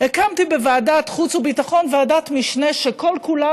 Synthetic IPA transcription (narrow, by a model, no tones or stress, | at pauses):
ekamtibevaːdatχut͡subitaχo̞nvaːdatmiʃne̞ʃeko̞lkula